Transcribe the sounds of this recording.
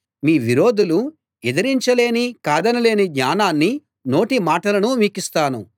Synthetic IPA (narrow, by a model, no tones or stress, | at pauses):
miːʋiɾo̞ːd̪ulu | ɛd̪ɐɾiɲt͡ʃɐle̞ːnikaːd̪ɐnɐle̞ːnid̪ɲaːnaːnːi | no̞ːʈimaːʈɐlɐnumiːkist̪aːnu